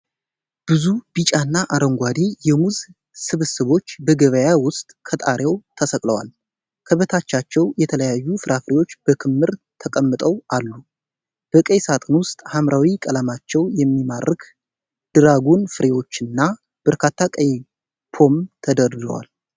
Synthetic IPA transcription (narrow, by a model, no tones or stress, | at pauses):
b̥ɨzubit͡ʃʼanːaʔaɾəŋɡʷad̪ijɛmuz | sɨβsɨβo̞t͡ʃːbəɡəβəjawʊst̪ʼkʰət̪ʼaɾjewt̪ʰəsəkʼləwa̰l | kʰəβət̪ʰat͡ʃːat͡ʃːɛwjɛt̪ʰələjajːufɨɾafɨɾe̞wo̞t͡ʃːb̥əkʰɨmːɨɾt̪ʰəkʼəmːɨt̪ʼəwʔalːu | b̥əkʼəjsat̪ʼɨnwʊst̪ʼhamɾʔawikʼələmat͡ʃːɛwjɛmːimarːɨk | d̪̥ɨɾaɡunfɨɾewo̞t͡ʃːɨnːa | b̥əɾkʰat̪ʰːakʼəj | pʰo̞mt̪ʰəd̪əɾd̪ə̰wa̰l